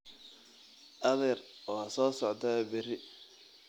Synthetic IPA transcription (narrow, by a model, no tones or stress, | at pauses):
ʔɐðɛrɔsɔːsɔʕt̪ʰɐbɪrɪ